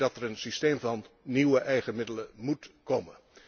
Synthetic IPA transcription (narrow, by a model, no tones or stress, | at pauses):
dɑtərənsisteːmvɑnːiwəʔɛjχənmɪdələmutkomə